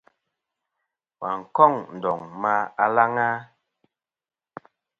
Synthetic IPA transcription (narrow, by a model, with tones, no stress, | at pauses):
wa˨ŋ̩˨kɔ˦˨ŋn̩˨dɔ˨ŋma˦a˦la˦ŋa˦